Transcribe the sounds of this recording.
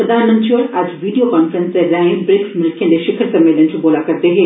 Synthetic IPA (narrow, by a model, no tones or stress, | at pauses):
pɾəd̪aːnmə̃nt̪ɾioːɾaːd͡ʒʋiːɖijokaːnfəɾə̃nst̪eɾaːɪ̃lbɾeksmɪɾɪkʰːẽnd̪eʃɪkʰəɾsɐ̃mːeːlənt͡ʃʰũboːlakɐɾd̪eɦeː